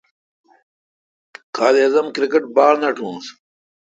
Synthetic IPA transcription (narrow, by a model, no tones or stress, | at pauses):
kʰaːliɐzɐmkɾikeʈ̚baːlnɐʈʰũːns